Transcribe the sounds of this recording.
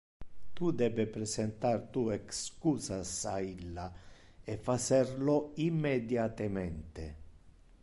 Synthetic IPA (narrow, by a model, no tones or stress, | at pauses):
t̪ud̪ɛbepɾɛsɛnt̪art̪uɛkskuːsasailːaefːat͡ʃɛɾloimːed̪jat̪emɛnt̪e